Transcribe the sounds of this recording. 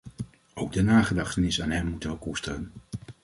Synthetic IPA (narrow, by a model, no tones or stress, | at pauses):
owɡ̚dənaːχədɑχtənɪsaːnɦɛmːutəʋəkustərən